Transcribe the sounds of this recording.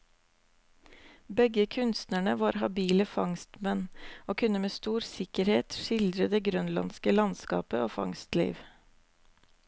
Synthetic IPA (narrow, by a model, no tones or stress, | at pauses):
bɛɡəkʰʉnst̪nəɳəʋɑːɾhɑbiːləfɑŋst̪mɛnoːkʰʉnəmeːst̪uːɾsɪkəɾheːt̪ʃɪld̪ɾəd̪eːɡɾœnlɑ̰nskəlɑnskɑ̰ːpəoːfɑ̰ŋst̪lḭːʋ